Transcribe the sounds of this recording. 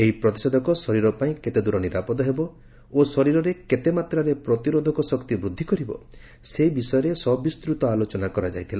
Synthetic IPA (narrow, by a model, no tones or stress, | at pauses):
eɦipɾɔt̪ised̪ʱɔkɔsɔɾiɾɔpaĩket̪ed̪uɾɔniɾapɔd̪ɔɦebɔ | osɔɾiɾɔɾeket̪emat̪ɾaɾepɾɔt̪iɾod̪ʱɔkɔsɔkt̪ibɾud̪ʱːikɔɾibɔ̰ | sebisɔjɔɾesɔbist̪ɾut̪ɔalot͡ʃɔnakɔɾad͡ʒa̰jt̪ʰila